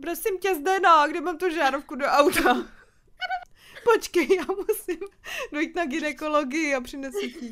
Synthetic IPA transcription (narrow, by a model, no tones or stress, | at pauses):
pɾosɪmcɛzdɛnoɡdɪmaːmt̪uʒaːɾofkudo̞ʔawt̪a | pot͡ʃkɛjjaːmusɪmdojiːt̪naɡɪnɛko̞loɡɪjɪapr̝̥ɪnɛsɛci